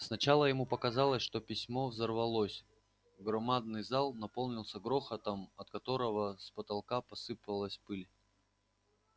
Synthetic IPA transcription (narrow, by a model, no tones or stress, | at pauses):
snɐt͡ɕalˠəjɪmupəkɐzalˠəsʲʂt̪o̞pʲɪsʲmo̞vzərvɐlˠosʲ | ɡɾɐmad̪̚nɨjzalˠnɐpo̞lˠnʲɪlˠsʲəɡɾoxət̪əmɐt̪kɐt̪o̞ɾəvəspət̪ɐlˠkapɐsɨpəlˠəsʲpɨlʲ